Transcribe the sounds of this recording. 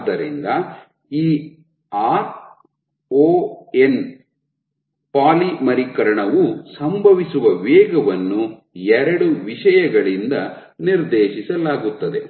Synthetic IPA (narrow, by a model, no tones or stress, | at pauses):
d̪ɐɾḭnd̪ɐ | iː | aːɾ | oːen | paːlimɐɾikɐɾɐɳɐʋusɐmbʱɐʋisuʋɐʋɛːɡɐʋɐnːu | ɛɾɐɽuʋiʂɐjɐɡɐɭind̪ɐ | niɾd̪eːʃisɐlaːɡut̪ːɐd̪e̞